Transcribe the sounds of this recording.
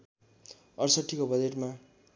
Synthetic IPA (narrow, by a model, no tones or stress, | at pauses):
ʌrsʌʈʰːikobʌd͡zeʈma